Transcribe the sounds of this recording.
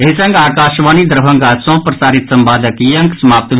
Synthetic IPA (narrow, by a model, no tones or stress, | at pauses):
eɦisɐ̃ŋɡaːkaːʃʋaːnid̪əɾbʱɐŋɡasɔ̃ːpɾɐsaːɾit̪sɐmbaːd̪əkjɐ̃ŋksɐmaːp̚t̪